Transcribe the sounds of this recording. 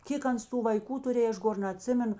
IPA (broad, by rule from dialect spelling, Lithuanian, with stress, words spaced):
ˈkʲeːk ˈɐns ˈtuː ʋɐɪˈkuː tʊˈrʲeːj ˈɐʃ ˈɡoːr nɐˈtʲsʲɪmʲɛnʊ